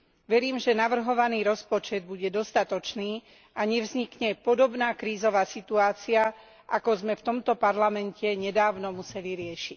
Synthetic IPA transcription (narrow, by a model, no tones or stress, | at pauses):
ʋɛɾiːmʒɛnaʋr̩ɦɔʋaniːɾɔspɔt͡ʃɛd̪̚buɟɛd̪ɔst̪at̪ɔt͡ʃniː | aɲɛvzɲikɲɛpɔd̪ɔbnaːkɾiːzɔʋaːsit̪uaːt͡sia | ʔakɔzmɛft̪ɔmt̪ɔpaɾlamɛncɛɲɛd̪aːʊnɔmusɛliɾɪɛʃic̚